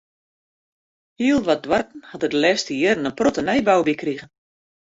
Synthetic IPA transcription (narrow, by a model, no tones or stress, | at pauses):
hiəlˠʋɔt̚dwartn̩hatədəlɛstiərnənprotənɛjbawbikriɣən